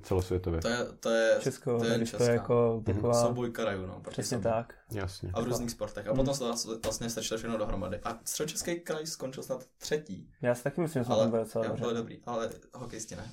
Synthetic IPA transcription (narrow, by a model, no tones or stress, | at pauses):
t͡sɛlosvʋjɛt̪ovjɛt̪ojɛt̪ojɛt͡ʃɛskoɛɪʃt̪ojɛjakot̪akovaːbojkaɾajuːno̰pɾor̥ɛsɲɛt̪ak | jasɲɛ̰a̰vɾuːzniːxspoɾt̪ɛxʔappot̪omsɛt̪oasvlast̪ɲɛst̪t͡ʃɪlofʃɛxnodoɦɾoma̰dɪʔat̪rɛdot͡ʃɛskɛjkɾajskont͡ʃɪlsnat̪t̪r̥ɛciːjaːsɪt̪akɪmɪslimʒɛsmɛɛmbɪldot͡sɛlaobrɛldobɾḭːʔalɛɦokɛjscɪnɛ̰